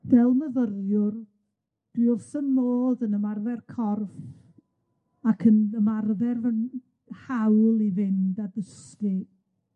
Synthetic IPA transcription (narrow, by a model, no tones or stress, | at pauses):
v̥ɛlˠməðərjʊr | d̥wɪovsənnoːðənəmarvɛrkʰɔrf | akʰənəmarvɛrən | hawlˠivɪndadəsti